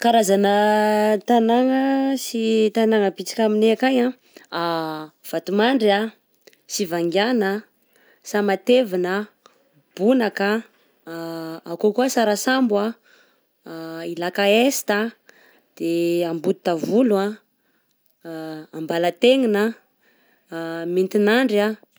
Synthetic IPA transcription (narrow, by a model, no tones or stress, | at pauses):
kaɾazanət̪anaŋəsit̪anaŋəbit͡si̥kʲamineakajã | av̥at̪umaɳɖ͡ʐa | sivaŋɡjanə | samat̪evinə | b̥unaka | akokuəsaɾasamba | ilakaesi̥t̪a | d̪̥eambud̪̚t̪avulua | ambalat̪eŋinə | mint̪inaɳɖ͡ʐa